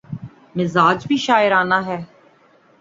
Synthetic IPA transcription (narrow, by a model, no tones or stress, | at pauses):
mɪzaːd͡ʒbʱiːʃaːɪɾaːnaːɦɛː